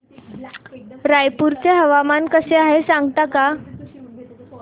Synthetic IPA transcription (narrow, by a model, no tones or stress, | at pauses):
ɾajpuɾt͡seɦəʋamankəseaɦesaŋɡt̪aka